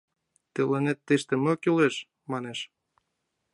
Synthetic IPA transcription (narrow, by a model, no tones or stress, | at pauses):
t̪elenet̪ːeʃt̪ĕmøkyleʃ | mɑneʃ